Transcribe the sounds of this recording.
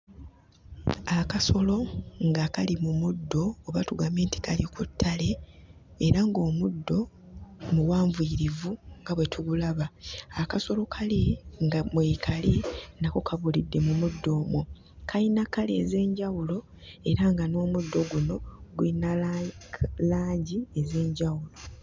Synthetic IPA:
akaso̞lo̞ŋɡakalimumudːo̞ːβatuɡame̞ːnti̥kʰalikutʰːale̞ː | ɾaŋɡo̞ːmudːo̞ | muwaːɱviːɾivuŋɡaβwe̞tʰuɡulaβaːkaso̞lo̞kʰaliŋɡamwekʰalinako̞kʰaβulidːe̞mumudːo̞ːmwu | kʰainakalḛze̞ːɲɟawulo̞ | e̞ɾaŋɡano̞ːmudːo̞ɡuno̞ɡwina | laːɲɟieze̞ːɲɟawulo̞

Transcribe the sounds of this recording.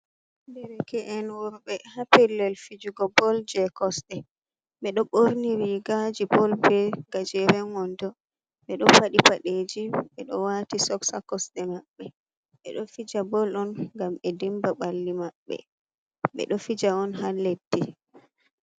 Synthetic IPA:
bɛɾɛkɛʔɛnwɔɾbɛhapɛlːɛlfid͡ʒuɡɔbɔld͡ʒɛkɔsɗɛ | ɓɛɗɔɓoɾniɾiɡad͡ʒibɔlbɛɡ̥ad͡ʒɛɾɛŋɔndɔ | ɓɛɗɔpaɗipaɗed͡ʒiɓɛɗɔ̰watisɔksakɔsɗɛmaɓːɛ | ɓɛɗɔfid͡ʒabɔlɔnɡamɛdimbaɓalːimaɓːɛ̰ | ɓɛ̰ɗɔfid͡ʒaɔnhaledːi

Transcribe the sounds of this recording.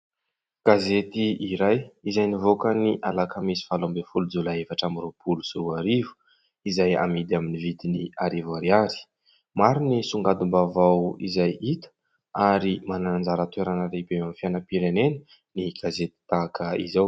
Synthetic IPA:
ɡ̥azet̪iiɾajizajnivokəniʔalakamisi̥falombefulud͡zulaevaʈ͡ʂamiɾupʰulusuuaɾivu̥ | izaja̰mid̪aminivit̪iniaɾivaɾiaɾi̥ | maɾinisuŋɡad̪umbavawḭzajit̪ə̥ | aɾimanannd͡zaɾət̪weɾanaɾebewamfjanəpiɾenenə | niɡ̥azet̪i̥t̪akəḭzaw

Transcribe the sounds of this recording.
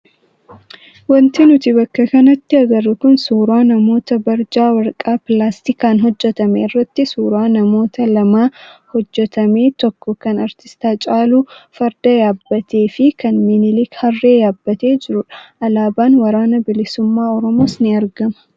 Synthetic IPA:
wɔnt̪ɪnʊt̪ɪbɐkːɐkɐnɐt̪ːɪɐɡɐrːɐkʊnsuːɾaːnɐmo̞ːt̪ɐbɐɾd͡ʒaːwɐɾkʼaːpɪlaːst̪ɪkaːnɦɔd͡ʒːɛt̪ɐmḛɪrːɐt̪ːɪsuːɾaːnɐmo̞ːt̪ɐlɐmaːhɔd͡ʒːɛt̪ɐme̞ːt̪ɔkːɔkɐnɐɾt̪ɪ̥st̪aːt͡ʃʼaːluːfɐɾd̪ɐjaːbːɐt̪ʰe̞ːfɪkɐnminɪlɪkhɐrːe̞ːjaːbːɐt̪e̞ːd͡ʒɪɾʊᶑɐ̥ʔɐlaːbaːnwɐɾaːnɐbɪlɪsʊmːaːɔɾɔmoːsnɪɐɾɡɐmɐ̥

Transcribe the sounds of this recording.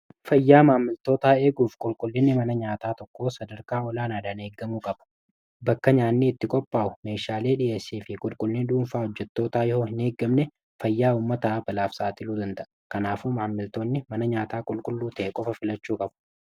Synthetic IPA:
fɐjːaːmaːmːɪlt̪o̞ːt̪aːeːɡuːfkʼʊlkʼʊlːɪnːɪmɐnɐɲaːt̪aːt̪ɔkːo̞ːsɐd̪ɐɾkaːɔlaːnaːd̪ɐne̞ːɡːɐmuːkʼɐb̥ɐ̥ | bɐkːɐɲaːnːiːɪt̪ːɪkʼɔpʼːaːʊme̞ːʃaːle̞ːᶑɪʔeːsːiːfɪkʼʊlkʼʊlːɪnd̪uːnfaːhɔd͡ʒːɛt̪ːo̞ːt̪aːjɛhoːhɪneːɡːɐmnɛ | fɐjːaːuːmːɐt̪ɐbɐlaːfsaːt̪ɪluːd̪ɐnd̪ɐʔɐkɐnaːfumaːmːɪlt̪o̞ːnːɪmɐnɐɲaːt̪aːkʼʊlkʼʊlːuːt̪ɐʔɛkʼɔfɐfɪlɐt͡ʃːuːkʼɐb

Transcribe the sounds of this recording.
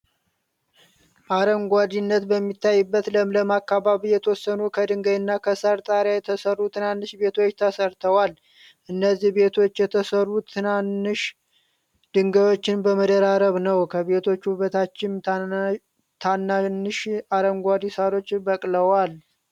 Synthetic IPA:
ʔaɾəŋɡʷad̪inːət̪bəmːit̪ʰːajːɨbːət̪ləmləmakːaβaβijɛt̪ʰəwɔsːənukʰəd̪ɨŋɡəjɪnːakʰəsəɾt̪ʼaɾjajɛt̪ʰəsərːut̪ʰɨnanːɨʃbe̞t̪ʰo̞t͡ʃːt̪ʰəsəɾt̪ʰəwal | ʔɨnːəzːihbe̞t̪ʰo̞t͡ʃːjɛt̪ʰəsərːut̪ʰɨnanːɨʃ | d̪̥ɨŋɡəβo̞t͡ʃːɪnbəməd̪əɾaɾəβnəwkʰəβe̞t̪ʰo̞t͡ʃːuβət̪ʰat͡ʃːɪn | t̪ʰanːanːɨʃaɾəŋɡʷad̪isaɾo̞t͡ʃːbəkʼləwal

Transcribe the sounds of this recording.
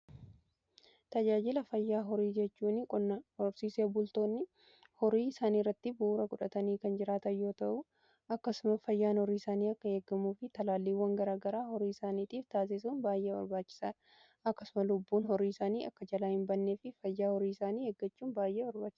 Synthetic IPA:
t̪ɐd͡ʒaːd͡ʒɪlɐfɐjːaːɦɔɾiːd͡ʒɛt͡ʃːuːnɪkʼɔnːɔɾsiːseːbʊlt̪o̞ːnːɪ | hɔɾiːɪsaːniːrːɐt̪ːɪbuːɾɐkʊᶑɐt̪ɐniːkɐnd͡ʒɪɾaːt̪ɐjo̞ːt̪ɐʔʊ | ɐkːɐsʊmɐfɐjːaːnhɔɾiːɪsaːniːɐkːɐheːɡːɐmuːfɪt̪ɐlaːlːiːwːɐŋɡɐɾaːɡɐɾaːhɔɾiːɪsaːniːt̪ʼiːft̪aːs̬ɪs̬uːnbaːjʔeːwɐ̰ɾbaːt͡ʃːɪ̥saːɐ | ɐkːɐsʊmɐlʊbːuːnhɔɾiːɪsaːniːɐkːɐd͡ʒɐlaːhɪmbɐnːeːfɪfɐjːaːhɔɾiːɪsaːniːheːɡːɐt͡ʃːuːnbaːjʔeːwɐɾbaːt͡ʃːɪ̥

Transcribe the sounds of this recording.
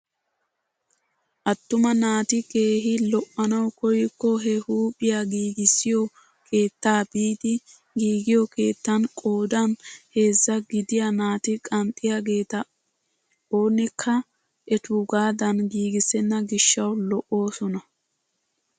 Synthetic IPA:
ʔɐt̪ːʊmɐnaːt̪ɪɡe̞ːɦɪlɔʔɐnɐwkɔjkːɔɦɛhuːpʼɪjaɡiːɡɪsːɪjɔ | kʰe̞ːt̪ːaːbiːd̪ɪ | ɡiːɡɪjɔke̞ːt̪ːɐnkʼo̞ːd̪ɐnhe̞ːzːɐɡɪd̪ɪjɐnaːt̪ɪkʼɐnt̪ʼːɪjaɡe̞ːt̪ɐ | oːnɪkʰːɐ | ʔɛt̪uɡaːd̪ɐnɡiːɡɪsɛnːɐɡɪʃːɐwlɔʔo̞ːsɔnɐ

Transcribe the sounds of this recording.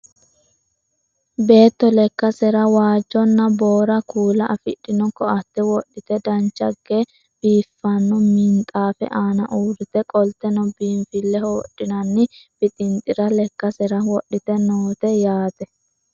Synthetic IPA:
be̞ːt̪ːɔlɛkːɐsɛɾɐwaːd͡ʒːɔnːɐboːɾɐkuːlɐʔɐfɪɗːɪnɔkːɔɐt̪ːɛwɔɗːɪt̪ɛd̪ɐnt͡ʃːɐɡːe | b̥iːfːɐnːɔmɪnt̪ʼaːfɛ̰ʔaːnɐʔuːɾɪt̪ɛkʼɔlt̪ɛnɔbiːɱfɪlːɛhoɔɗːɪnɐnːɪb̥ɪt̪ʼɪnt̪ʼɪɾɐlɛkːɐsɛɾɐwɔɗːɪt̪ɛnoːt̪ɛjaːt̪ɛ

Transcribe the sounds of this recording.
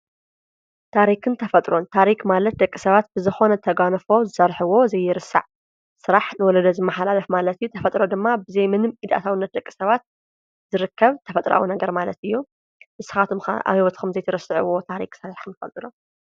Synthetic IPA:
t̪ʰaɾikʰɨnt̪ʰɐfɐt̪ʼɾo̞nt̪ʰaɾikmalɐt̪̚d̪ɐkʼːisɐβat̪̚b̥ɨzɨxo̞nɐt̪ʰɐɡanɨfo̞zɨsɐɾħɨwo̞zɐjːɪɾɨsːa̰ʕ | sɨɾaħnɨwɔlɐd̪ɐzɨmːɐħalalɐfmalɐt̪ɨjːut̪ʰɐfɐt̪ʼɾod̪ɨmːabɨzɐjmɨnɨmid̪a̰t̪ʰawɨnːɐt̪̚d̪ɐkʼːi̥sɐβat̪̚ | z̥ɨɾɨkʰːɐβt̪ʰɐfɐt̪ʼɾa̰wunɐɡɐɾmalɐt̪ɨjːu | mɨsɨ̥xat̪ʰumxa̰ʔa̰βhiwɔt̪kʰɐmzɐjt̪ʰɐɾɨsɨʕɨ̰wot̪ʰaɾḭksɐlalkɨmt̪ɨfɐ̰lt̪ʼiɾom

